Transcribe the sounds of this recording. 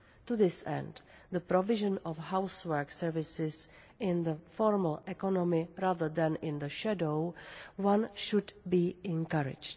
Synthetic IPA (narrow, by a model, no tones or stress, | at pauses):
tuðɪsɛ̰̃nd | d̪əpɾɔvɪʒə̃nɔfhawswɛɹksɛɹvɪsɪs | ɪ̃nðəfɔɹməl̩ʔɛkɔnɔmɪɾaːðə˞ðɛ̃nɪ̃nðəʃadoʊwãnʃʊdbiːɛ̃nkaɹɪ̰d͡ʒt